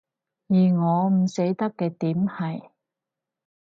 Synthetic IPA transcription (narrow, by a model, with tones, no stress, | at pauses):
jiː˨˩ŋɔː˨˧m̩˨˩se˨˥jt̪ɐ˥kːɛː˧t̪iː˨˥mhɐ˨j